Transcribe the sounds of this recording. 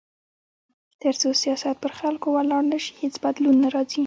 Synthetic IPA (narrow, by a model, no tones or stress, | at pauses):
t̪əɾt͡sosijɑsat̪̚pəɾxalkowalɑɽnəʃi̥het͡sbad̪lunːaɾɑzi